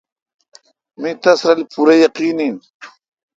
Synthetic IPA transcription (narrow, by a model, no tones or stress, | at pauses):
mit̪asɾalipʊɾajɑqiːnim